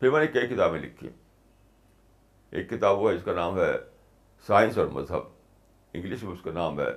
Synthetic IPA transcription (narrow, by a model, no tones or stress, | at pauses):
pɪɾmɛːnekɐikɪt̪aːbmẽlɪ̰kʰːḭ̃ | ḛːkːɪt̪aːbʋoɦɛɪskanaːmɦɛ | saːɪ̃nsɔːɾmɐ̰zɦə̰b | ɪ̰̃ŋɡlɪʃmẽʊskanaːmɦɛ̰ː